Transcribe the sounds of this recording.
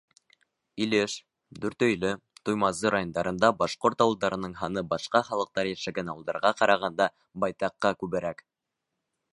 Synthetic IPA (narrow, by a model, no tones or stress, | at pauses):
ilɘʃ | d̪ɵ̆ɾt̪ɵ̆jlɘ | t̪ujmɑzɤɾajo̞nd̪ɑɾɤ̆nd̪ɑbɑʃqoɾt̪ɑwɤ̆lˠd̪ɑɾɤ̆nɤɴɦɑnɤbɑʃqɑχɑlˠɤ̆q̚t̪ɑɾjæʃæɡænɑwɤ̆lˠd̪ɑ̰ɾʁɑqɑɾʔɑʁɑnd̪ɑ | bɑjt̪ɑqːɑkʉβɘ̆ɾæk